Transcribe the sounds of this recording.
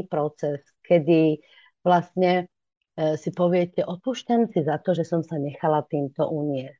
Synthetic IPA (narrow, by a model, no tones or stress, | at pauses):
ipɾɔt͡sɛs | kʰɛd̪i | ʋlastɲɛ | sipɔʋɪɛcɛʔɔpuʃcamsizat̪ɔʒɛsɔmsaɲɛxalat̪iːmt̪ɔ̰ʔuɲɪɛsc